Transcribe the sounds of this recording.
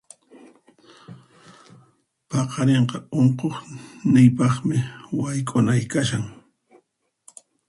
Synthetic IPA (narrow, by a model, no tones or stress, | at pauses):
pɑqʰɑɾeɴqɑoɴqoχnɪjpɑχmɪwajkʼʊnajkaʃaŋ